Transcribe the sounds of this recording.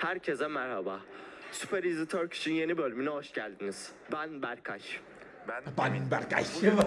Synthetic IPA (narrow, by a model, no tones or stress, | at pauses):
hæɾcʰezɛmæɾhabaːsypʰɛɾizit̪ʰøɾcʰi̥t͡ʃʰinje̞nibølʲymynɛɦo̞ʃcælʲd̪iniz̥ | bænbæɾkʰaʃ | bænnbæɾka̰ʃ